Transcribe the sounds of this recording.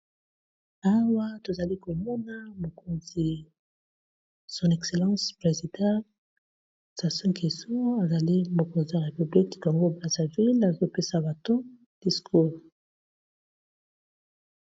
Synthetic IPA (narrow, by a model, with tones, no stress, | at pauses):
a˦wa˦to˨za˨li˦ko˨mɔ˦na˦mo˨ko˨nzi˨ | sɔ̃˨nɛ˨kse˨lɑ̃˦spʁe˨zi˨dɑ̃˦ | sa˨sɔ̃˦ke˨so˦a˨za˨li˦mo˨ko˨nzi˨a˨ʁe˨py˨bli˦kka˨ŋɡo˦bʁa˦˨za˨vi˦la˨zo˦pe˦sa˨ba˨to˦ | d̥i˨skʰu˦ʁ